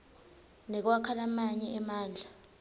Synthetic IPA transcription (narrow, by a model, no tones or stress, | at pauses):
nɛk̬wakʰalamaɲɛʔɛmaːnd͡ɮʱa